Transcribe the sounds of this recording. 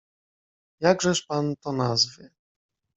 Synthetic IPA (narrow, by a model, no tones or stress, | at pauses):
jaɡʐɛʂpant̪ɔnazvɘ